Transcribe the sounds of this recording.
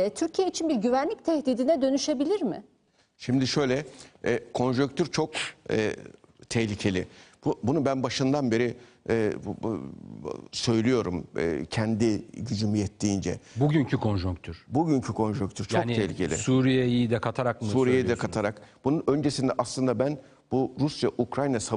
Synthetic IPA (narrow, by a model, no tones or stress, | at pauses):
ɛt̪ʰyɾcʰijeit͡ʃʰinbiɾɟyvænlʲict̪ʰɛhd̪iːd̪inɛd̪ø̞nyʃe̞bilʲiɾmɪ | ʃimd̪iʃø̞jlʲɛɛkʰo̞nʒuŋkt̪ʰyɾt͡ʃʰokɛ̰t̪ʰɛhlʲicʰe̞lʲɪbbunubænbaʃɯnd̪anbe̞ɾi | ɛː | sø̞jlʲijo̞ɾumɛ̰cʰɛnd̪iɟyd͡ʒymyjɛt̪ʰːiːnd͡ʒɛ̰buɟyɲcʰykʰo̞nʒuŋkt̪ʰyɾbuɟyɲcʰykʰo̞nʒuŋk̚t̪ʰyɾt͡ʃʰonʰɛhlʲicʰe̞lʲɪ̰suːɾijɛjijid̪ɛkʰat̪ʰaɾakmsuːɾiijejid̪ɛkʰat̪ʰaɾakb̥ununø̞nd͡ʒesind̪ɛʔaslˠɯnd̪abæn | buɾusjaʔukɾajnasa